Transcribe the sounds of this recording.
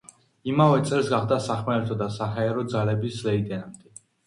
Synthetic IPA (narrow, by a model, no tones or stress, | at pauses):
imavɛt̪sʼɛlsɡaχd̪asaχmɛɛt̪ʰɔd̪asaɦaɛɾɔd̪zalɛbislɛid̪ɛnamd̪ɛ